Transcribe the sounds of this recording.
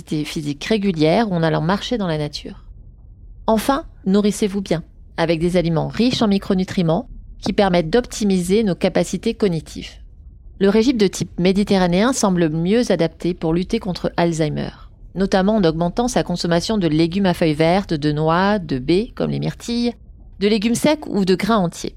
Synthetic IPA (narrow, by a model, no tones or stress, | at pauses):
it̪efizikʁeɡʲyljɛʁuɑ̃nalɑ̰̃maʁʃed̪ɑ̃lanat̪ʰy̰ːʁ | ɑ̃fɛ̃nuʁisevubjɛ̃ | avɛk̚d̪ezalimɑ̃ʁiʃɑ̃mikχonyt̪χimɑ̃kʲipɛʁmɛt̪̚d̪ɔpt̪ʰimizenokapasit̪ekɔnit̪ʰḭv | ləʁeʒimd̪ət̪ʰipmed̪it̪eʁaneɛ̃sɑ̃bləmjøzad̪ap̚t̪ʰepuʁlyt̪ekɔ̃t̪χəʔalzajmœ̰ʁ | nɔt̪amɑ̃ːnɔɡmɑ̃t̪ɑ̃sakɔ̃sɔmasjɔ̃d̪əleɡʲymafœjvɛʁt̪d̪ənwad̪əbekɔ̰mlḛmiʁt̪ʰij | d̪əleɡʲymsɛkṵd̪əɡʁɛ̃ɑ̃t̪ʰjḛ